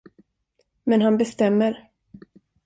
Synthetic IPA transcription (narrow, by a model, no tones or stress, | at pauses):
mɛnɦanbɛst̪ɛmːəɾ